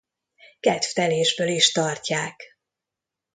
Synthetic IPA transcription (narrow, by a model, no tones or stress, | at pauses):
kɛt̪ft̪ɛleːʒbøːliʃt̪ɒrcaːk